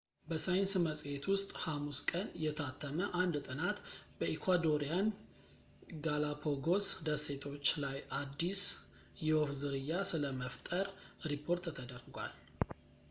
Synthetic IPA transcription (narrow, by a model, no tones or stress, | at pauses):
bəsajnsməsʼet̪wʊst̪ʼhamuskʼənjɛt̪ʰat̪ʰːəməʔand̪t̪ʼɨnat̪bəʔikʰʷad̪oɾijan | ɡalapʰoɡo̞sd̪əse̞t̪ʰo̞t͡ʃːlajʔad̪ːis | jɛwofzɨɾɨjːasɨləməft̪ʼəɾɾipʰːo̞ɾt̪t̪ʰəd̪ərɡʷa̰l